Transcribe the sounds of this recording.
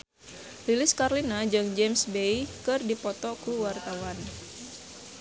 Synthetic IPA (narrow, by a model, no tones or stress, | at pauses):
lilɪskarlinad͡ʒɨŋd͡ʒemsbejkɨrdipɔt̪ɔkuwart̪awan